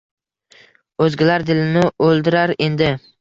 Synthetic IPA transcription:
ɵzɡʲɪlaɾd̪ɪlɪnɪɵlˠd̪ɪɾaɾe̞nd̪ɪ

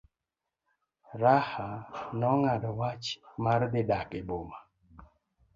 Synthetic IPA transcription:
ɾahanɔŋadɔwat͡ʃmard̪ɪdakeboma

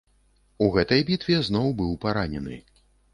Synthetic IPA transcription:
uɣɛt̪ɐjbʲit̪vʲɛznɔwbɨwpaɾanʲɛnɨ̰

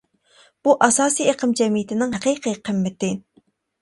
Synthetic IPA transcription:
b̥uʔɑsɑːsijeqʰəmd͡ʒɛmijɪt̪ʰɪnɪŋɦɛqijqʰiqʰɨmːɪt̪ɪ

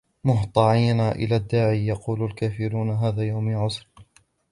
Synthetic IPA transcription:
mʊɦt̪ˤɑʕiːnaːʔɪ̰laːd̪ːaːʕiːjɑquːlalkaːfɪɾuːnaɦaːðaːjawmɪʕʊsɾ

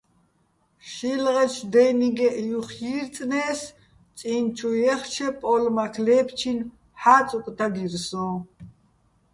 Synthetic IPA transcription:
ʃilʁɛt͡ʃʰd̪ɛniɡɛʔijuχjiɾt͡sʼnɛːs | t͡sʼint͡ʃʰujɛχt͡ʃʰɛpʼɔlmakʰlɛːpʰt͡ʃʰin | ħaːt͡sʼukʼt̪ʰaɡiɾsɔ̃

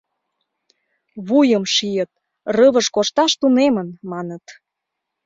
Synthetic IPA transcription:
βujəmʃijət̪̚ | rəβəʃkoʃt̪ɑʃt̪unemənmɑnət̪

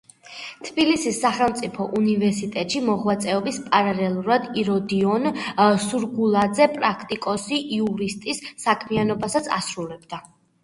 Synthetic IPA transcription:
t̪ʰb̥ilisisːaχɛlˠmt̪sʼipʰɔʔunivɛɾsit̪ʼɛt̪ʼʃimɔʁwat̪sʼɛɔbispʼaɾalɛlˠuɾad̪iɾɔd̪iɔnsuɾɡulˠad̪zɛpʼɾakʰt̪ʼikʼɔsiʔiuɾist̪ʼisːakʰmianɔbasat̪sʰa̰sɾulɛb̚d̪a

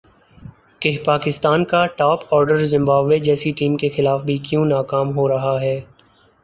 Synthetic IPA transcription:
keɦpaːkɪst̪aːnkaʈaːpɔːɾɖəɾzɪ̃mbaːbʋed͡ʒɛːsiʈiːmkexɪlaːfbʱikjũːnaːkaːmɦoɾɐɦaɦɛː

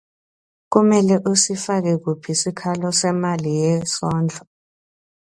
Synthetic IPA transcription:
k̬umɛlɛʔusifak̬ɛk̬upʰisikʰalɔsɛmalijɛsɔːnd͡ɮʱɔ

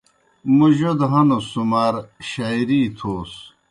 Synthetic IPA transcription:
muʑod̪ɦɐnosumaɾɕajɾiːt̪ʰoːs

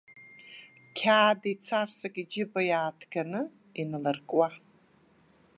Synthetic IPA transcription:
kʲʰaːdit͡sʰarsakʼid͡ʒɪbajaːtʰɡ̥anɨ | inɨlɨrkʼwa

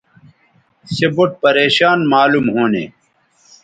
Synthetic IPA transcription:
seboʈ̚pɐɾeːɕaːnmaːlumɦoːnḛː

